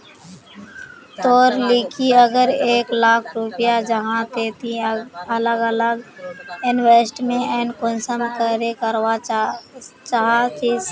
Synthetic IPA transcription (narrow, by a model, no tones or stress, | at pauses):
t̪oːɾlikʰiəɡəɾeːklaːkʰɾupɪjad͡ʒəɦãt̪eːt̪iələɡələɡɪnweːsʈmẽɛnkʊnsəmkəɾekəɾwa | t͡ʃaɦat̪iːs